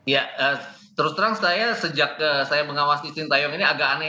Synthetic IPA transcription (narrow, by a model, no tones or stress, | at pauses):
jaəː | t̪əɾʊst̪əɾaŋsajasəd͡ʒak̚əsajabəŋawast̪isɪnt̪ajɔŋiniaɡakana